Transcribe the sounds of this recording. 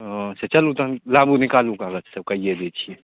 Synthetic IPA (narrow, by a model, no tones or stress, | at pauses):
set͡ʃɐlut̪ɐlaːbunɪkaːlũkaːɡət͡ʃʰsɐb̚kaijed̪et͡ʃʰie